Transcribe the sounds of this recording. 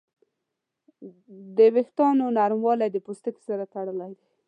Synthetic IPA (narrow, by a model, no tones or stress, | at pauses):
d̪əwɪxt̪ɑnonaɾmwɑlajd̪əpust̪əksaɾat̪aɽəlajd̪a